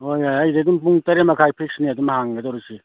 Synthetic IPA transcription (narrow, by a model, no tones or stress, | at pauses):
ojojajdedumpuŋtɐɾemɐkʰajpʰik̚sniadumhaŋɡɐdawɾusi